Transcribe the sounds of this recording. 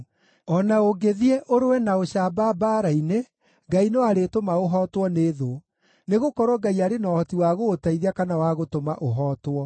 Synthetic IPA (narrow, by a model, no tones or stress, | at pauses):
ɔnaoɡeðiɛʔoɾowɛnaoɕaːbabaːɾaine | ɡainɛwaɾetomaoɦɔːtwɔneðo | neɣokɔɾwɔɡaiaɾenɔːhɔtiwaɣoːtaiðiakanawaɣotomaʔoɦɔːtwɔ